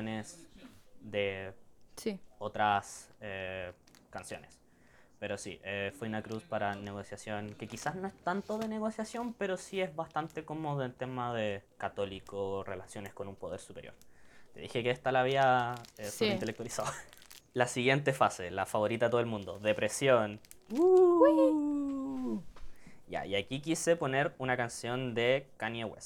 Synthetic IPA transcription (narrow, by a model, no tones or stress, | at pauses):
nes | ðesiot̪ɾase | kansjo̞̰nes | pe̞ɾo̞sḭʔefweunakɾuspaɾane̞ɣo̞sjasjo̞nke̞kisazno̞est̪ant̪oðene̞ɣo̞sjasjo̞mpe̞ɾo̞siezβast̪ant̪ekomoðoelt̪emaðekat̪o̞likorelasjo̞nesko̞numpoð̞eɾsupe̞ɾjo̰ɾt̪e̞ðixekeest̪alaβiaesolint̪elekt̪walisawalasiɣje̞nt̪efase̞̰la̰faβoɾit̪at̪oelmũnd̪o̞ðe̞pɾe̞sjon | u | ja̰iakikisepo̞neɾunakansjo̞nd̪ekanjewḛs